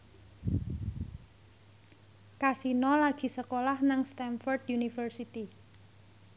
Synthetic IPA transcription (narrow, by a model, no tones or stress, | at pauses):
kasinɔlaɡ̥i̤səkolahnaŋst̪ɛnfɔrd̪junifərsit̪i